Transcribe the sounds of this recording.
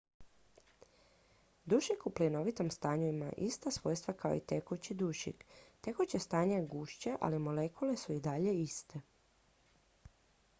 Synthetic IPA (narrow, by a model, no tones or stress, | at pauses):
d̪uʃikuplino̞ʋit̪o̞mst̪aːɲuima̰ʔist̪asʋo̞ːjst̪ʋakao̞̰it̪e̞kut͡ɕid̪uʃḭkt̪e̞kot͡ɕest̪aːɲaɡuːʃt͡ɕeʔa̰limo̞le̞kʰule̞suid̪aʎe̞ist̪e̞